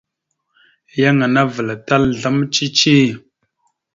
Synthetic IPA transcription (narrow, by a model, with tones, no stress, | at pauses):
ja˦ŋa˨na˦və˨la˨ta˦lɮa˦mt͡ʃi˦t͡ʃi˦˨